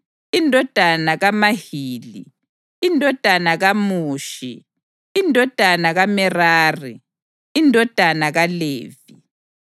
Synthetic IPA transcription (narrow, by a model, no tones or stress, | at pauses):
indʱɔd̥ʱanaɣamahiːlḭ | indʱɔd̥ʱanaɣamuːʃḭ | indʱɔd̥ʱanaɣamɛraːrḭ | indʱɔd̥ʱanaɣaleːvi